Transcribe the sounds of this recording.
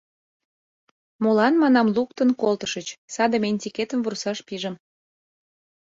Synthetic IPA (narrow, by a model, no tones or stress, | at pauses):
molɑnmɑnɑmluk̚t̪ənkolt̪əʃət͡ɕsɑd̪əmenʲt̪ʲiket̪əmvursɑʃpiʒə̆m